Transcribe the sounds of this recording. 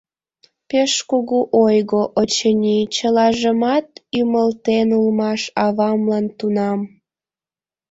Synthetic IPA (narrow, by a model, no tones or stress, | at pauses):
peʃkuɣuʔojɣoʔot͡ɕənʲit͡ɕəlɑʒəmɑt̪yməlt̪enulmɑʃɑβɑmlɑnt̪unɑm